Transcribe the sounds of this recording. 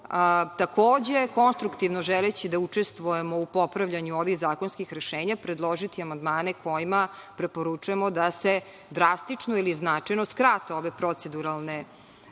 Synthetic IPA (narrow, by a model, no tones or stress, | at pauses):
t̪akʰoːd͡ʑeko̞nst̪ɾukt̪iʋnoʒɛlet͡ɕid̪aut͡ʂe̞st̪ʋujemo̞upo̞pɾaʋʎaɲuoʋixzaːkonskixɾeʃeːɲapɾed̪lˠoʒit̪iamand̪maːnekʰo̞jimapɾe̞po̞ɾut͡ʃuemod̪ase | d̪ɾast̪it͡ʂnoiliznat͡ʂajnoskɾat̪eo̞ʋe̞pɾot̪sed̪uɾalˠne